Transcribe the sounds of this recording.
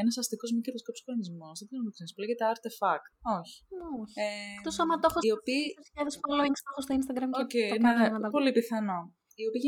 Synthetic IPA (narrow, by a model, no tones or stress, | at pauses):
enɐsɐst̪iko̞zmikɐt̪ɐskopskɾonizmoskɐnðoksenispuleɣet̪eɐɾt̪efɐkoçi̥oçt̪osomɐt̪oxoiopiosiʎɐðsfoloikst̪oxost̪oinst̪ɐɡɾɐmokejnnɐɐpo̞lipiθɐno | iopiʝ